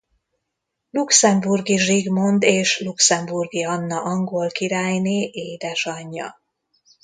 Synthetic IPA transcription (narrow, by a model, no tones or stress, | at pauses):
luksɛmburɡiʒiɡmo̞nd̪eːʃluksɛmburɡiɒnːɒʔɒŋɡoːlkiɾaːjneːʔeːd̪ɛʃɒɲːɒ̰